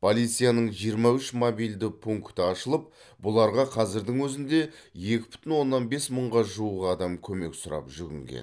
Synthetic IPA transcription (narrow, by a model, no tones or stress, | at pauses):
pʰolʲˠijt̪sijanəɴʒijəɾmɑʏʃmobijld̪ɪpʰuŋkt̪əɑʃəlˠəp̚ | bʊlˠɑɾʁɑqʰɑzɪɾd̪ɪŋwɵzɪnd̪e̞ | je̞kʲɪ̥bʏ̥t̪ɪnwo̞nːɑnbe̞sməɴʁɑʒuuʁɑd̪ɑmkʲʰɵme̞̰ksʊɾɑ̰pʒʏɡʲɪ̰ŋɡʲḛn